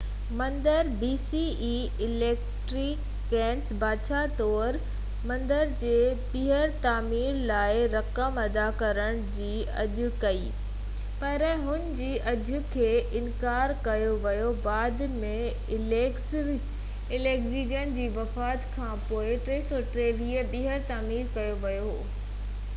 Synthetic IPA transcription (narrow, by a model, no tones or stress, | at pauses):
mɐ̃nd̪əɾbiːsi | i | ɪleːkʈɾɪkː | ɡɛ̃ːnsbʱaːt͡ɕʰat̪ɔːɾ | mɐ̃nd̪əɾd͡ʑeːpiɦəɾt̪aːmiːɾlaːɪɾɐkəmɐd̪akɐɾəɽ̃d͡ʑiː | ɐ̰ʄʱʊkɐḭː | pɐɾɦʊnɪ̆d͡ʑiːʔɐʄʱʊkʰeːʔɪnkaːɾkɐjoʋɐjobaːd̪mẽ | ɪleːkziːd͡ʑənd͡ʑiːʋɐfaːt̪kʰãːpoːɪʈɾeːsɔːʈɾeːʋiːəbiɦəɾt̪aːmiːɾkɐjoʋɐjoɦoː